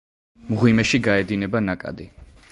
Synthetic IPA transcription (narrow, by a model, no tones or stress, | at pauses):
mʁwimɛʃiɡaɛd̪inɛbanakʼa̰d̪i